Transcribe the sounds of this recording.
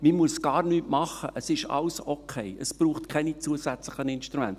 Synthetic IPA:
mimuəsɡ̥ɑːɾnyːtmɑχəʔəsɪʃɑ̰lsokʰɛɪəsb̥ruːχtkʰɛnit͡suəsæt͡slɪχənɪnʃtɾumɛ̰nt

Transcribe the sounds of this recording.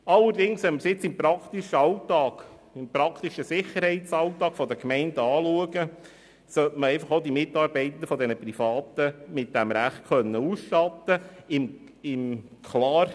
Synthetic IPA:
ɑlːəɾdɪŋsʋɛməɾsɪt͡sɪmpɾɑkt̪iʃəɑʊt̪ɑːɡ̥ | ɪmpɾɑkʰt̪iʃəsɪχəɾhɛɪtt͡sɑʊt̪ɑːkfɔd̪əkmɛɪnd̥əɑːluəɡə | sœtməɾɛɪfɑχoʊd̪imɪtːɑːɾbɛɪt̪ən̩dəfɔd̪ɛnəprifɑːt̪əmɪt̚d̥æmɾæχt̚kʰœnːəuːsʃtɑt̪ːəɪm | ɪm | kʰlɑːɾ

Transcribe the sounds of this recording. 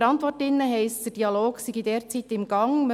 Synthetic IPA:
ɾɑnt̪ʋɔɾtɪnːəɦɛɪsd̥əɾd̥iɑloːɡsiɡidɛːɾt͡siːt̪ɪmɡɑŋm

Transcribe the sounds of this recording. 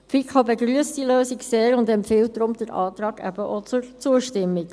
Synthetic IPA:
fikχɑbeɡɾyəsd̥iløːsikseːɾʊndɛmpfɪlt̚dɾʊmd̥əɾʔɑ̰ːt̪ɾɑːɡ̥æ̰bəʔɔt͡sʊɾt͡suəʃtɪmːik

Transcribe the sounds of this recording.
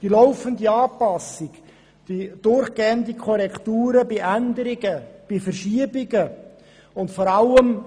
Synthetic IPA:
d̥ilɔʊfənd̪iɑːpɑsɪk | d̥id̥ʊrχɡ̥eːənd̪ikʰɔɾɛkʰt̪uːɾəbɪʔænd̪əɾɪɡəb̥ɪfərʃiəbɪɡə | ʊntfɔɾɑləm

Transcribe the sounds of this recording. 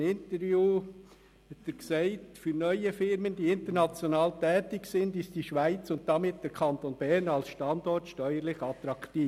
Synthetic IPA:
nɪntəɾvjuː | hɛtəɾksɛɪtfyɾnœʏəfɪɾmənd̥iːɪntəɾnɑt͡sjonɑːltɛːtɪksɪndɪsd̥iʃʋæɪt͡sʊntd̥ɑmɪt̚d̥əɾkʰɑntonbɛɾnɑlsʃtɑndɔrtʃtœʏəɾlɪχɑt̪ɾɑkt̪iː

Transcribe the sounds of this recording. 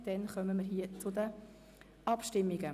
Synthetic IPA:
d̪̥ɛnχœməmɪɾɦiət͡sʊd̪ə | ɑpʃtɪmːiɡə

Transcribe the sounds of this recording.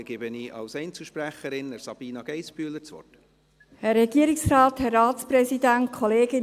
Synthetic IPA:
ɡ̥ɪbəniʔɑ̰lsɛjnt͡sl̩ʃpɾæχəɾɪnəɾsɑb̥iːnɑɡ̥ɛjspyəlːəɾt͡sʋɔ̰t | hɛrːɛɡ̥iəɾɪksrɑːthɛrːɑːtspɾɛsidæntkʰχɔleːɡɪ

